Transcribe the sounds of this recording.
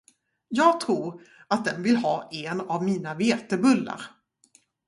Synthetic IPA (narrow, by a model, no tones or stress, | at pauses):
jɑːɡ̚t̪ʰɾuːɾ | at̪̚d̪ɛnvɪlhɑːʔɛnavmiːnaveːt̪ɛbɵlːa̰ɾ